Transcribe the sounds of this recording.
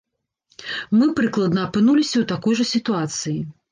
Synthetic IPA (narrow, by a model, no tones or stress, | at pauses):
mɨpɾɨklˠɐd̪nɐːpɨnulʲisʲɐwt̪akɔjʐɐsʲit̪uat̪sɨji